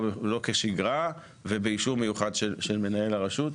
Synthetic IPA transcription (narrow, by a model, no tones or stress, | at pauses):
elo̞keʃiɡʁa | vebeiʃuʁmejuχadʃeʃelme̞nae̞laʁaʃut